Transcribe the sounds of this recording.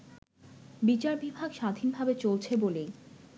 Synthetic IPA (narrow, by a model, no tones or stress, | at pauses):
bit͡ɕaɾbibʱaɡʃad̪ʱinbʱabet͡ɕolt͡ɕʰebolej